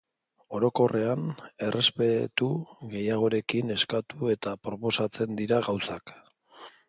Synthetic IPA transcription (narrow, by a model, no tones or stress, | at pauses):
o̞ɾo̞ko̞re̞ane̞rʔe̞spe̞t̪uɣe̞jaɣ̞o̞ɾe̞kine̞skat̪ue̞t̪apɾo̞po̞sat͡se̞nd̪iɾaɣawsak